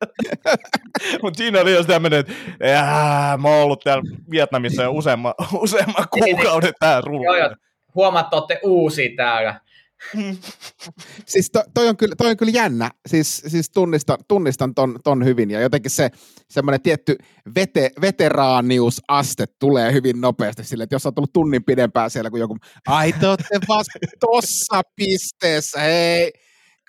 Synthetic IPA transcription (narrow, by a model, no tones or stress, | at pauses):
mut̪siːnolijost̪æmːønet̪æmoolːut̪t̪ælʋiet̪nɑmisːɑjousemːɑuseːmːɑkuːkɑunet̪t̪æːlruloo | huomɑt̪ːˑoːˑt̪ːeʔuːsiːt̪æːlæ̰ | sist̪ot̪oioŋkylt̪oioŋkyljænːæsiːssist̪unːist̪ɑt̪unːist̪ɑnt̪ont̪onhyʋinjɑjot̪ekːisse | semːonet̪iet̪ːy | ʋet̪eʋet̪erɑːniusɑst̪et̪tuleːhyʋinnopeːst̪isilːet̪josːɑˑt̪olːut̪unːimpidempæːsielːækujokum | ɑit̪oːt̪ːeʋɑst̪osːɑpist̪eːsːæhei